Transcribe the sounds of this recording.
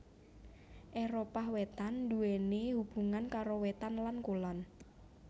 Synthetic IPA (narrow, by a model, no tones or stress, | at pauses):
ʔeɾopahwet̪and̪uɛnehub̥ṳŋankaɾowɛt̪anlankolɔn